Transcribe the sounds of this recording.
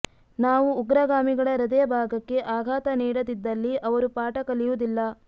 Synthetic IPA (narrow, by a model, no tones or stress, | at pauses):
naːʋuːɡɾɐɡaːmiɡɐɭɐɾɐd̪ɐjɐbʱaːɡɐkːe̞ʔaːɡʱaːt̪ɐniːɽɐd̪id̪ːɐlːiʔɐʋɐɾupaːʈɐkɐlijud̪ilːɐ